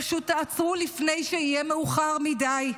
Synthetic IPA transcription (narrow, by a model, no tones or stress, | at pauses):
aʃut̪ːaat͡sʁulifne̞jʃeijemeuχaʁmidaj